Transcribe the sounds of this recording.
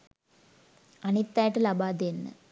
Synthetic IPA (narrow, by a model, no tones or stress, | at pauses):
ɐnit̪ːaːjʈːɨlɐbaːd̪enːɨ̰